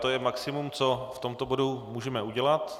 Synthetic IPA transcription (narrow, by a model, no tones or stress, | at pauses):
t̪ojɛmaksɪmumt͡so̞ft̪o̞mt̪o̞bo̞dumuːʒɛmɛuɟɛlat̪